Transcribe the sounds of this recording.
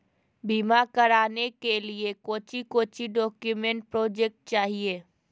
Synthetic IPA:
biːmakəɾaːnekeliekoːt͡ʃikoːt͡ʃiɖɔːkjʊmẽɳʈ̚pɾɔːd͡ʒek̚ʈ̚t͡ʃaːɦieː

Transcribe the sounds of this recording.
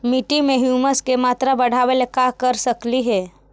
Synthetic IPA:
miʈimẽɦjuːməskemaːt̪ɾabəɽ̤aːʋelekakəɾsəkliɦɛː

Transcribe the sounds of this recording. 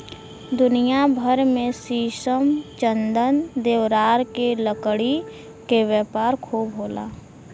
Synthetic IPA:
d̪ʊnijabʱəɾmẽsiːʃəmt͡ʃənd̪ənd̪eːʋɾaːɾkeləkɽi | keʋjɛːpaːɾkʰuːbɦoːla̰ː

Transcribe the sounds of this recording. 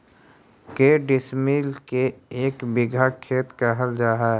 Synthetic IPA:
keːɖɪsmiːlkeeːkbɪɡʱakʰːeːt̪kaɦəld͡ʒaːɦaɛ

